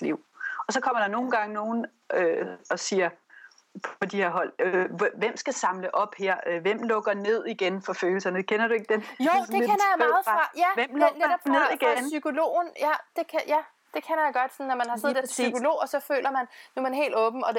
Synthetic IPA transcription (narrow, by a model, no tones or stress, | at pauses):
liʊ̰ɒ̽sɒ̽kʰɒ̽m̰ɐɾ̥ɑ̈no̝ːn̩ɡ̥ɑ̈ŋəno̝ːn̩ | øɒ̽siːɐ | pʰɒ̽d̥ihe̝ɐ̰ɦɒ̽l̰ʋem̰sɡ̥æsɑ̈mləʔɒ̽b̥heɐ̰ʋem̰lɔ̽ɡ̥ɐne̝ð̞̰ˠiɡ̥enfɒ̽føːl̩sɐnəkʰenɐɾ̥ue̝ɡ̥̚d̥enjo̰d̥ekenɐjamɑ̈ːð̩ˠʁɑ̈jæʋem̰lɔneɾɒ̥b̥neðˠiɡ̥ensykʰo̝lo̝̰ːnjæd̥e̝kʰæjæ | d̥e̝kʰenɐjaɡ̥ɒ̽d̥sɔ̽nːɒmænhɑ̈seð̰ˠd̥eɐsykʰo̝lo̝̰ːɒ̽sɒ̽fø̰ːlʔɐmænnumænhe̝̰ːld̥ɔ̽ːb̥m̩ɒ̽d